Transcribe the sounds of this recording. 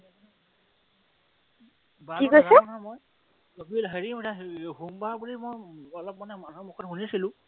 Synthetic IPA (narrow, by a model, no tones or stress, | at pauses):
baiɡojsɛɔnamoj | obilɦeɹimdaɦumbaɹbuɹimɔjɔlɔp̚manɛmanɦɔmukʰɔtxunisilʊ̃